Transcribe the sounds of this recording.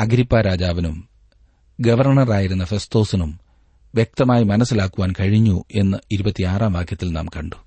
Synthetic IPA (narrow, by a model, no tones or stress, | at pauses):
ɐɡɾipːaːɾaːd͡ʑaːʋɐnum | ɡɐʋɐrɳɐraːjiɾunːɐfe̞st̪o̞ːsinum | ʋjek̚t̪ɐmaːjimɐnɐsːilaːkːuʋaːnkɐɻiɲːuʔe̞nːɐiɾubɐt̪ːiaːraːmʋaːkʰjɐt̪ːilna̰ːmkɐɳɖu